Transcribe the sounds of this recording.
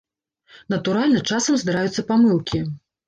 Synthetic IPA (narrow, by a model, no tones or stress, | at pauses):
nɐt̪uɾalʲnɐt͡ʂasɐmzd̪ɨɾajut̪sːɐpamɨlˠkʲi